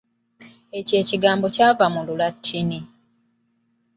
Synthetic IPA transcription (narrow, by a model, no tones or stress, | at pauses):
e̞ce̞ːciɡaːmbo̞caːvamululatʰːini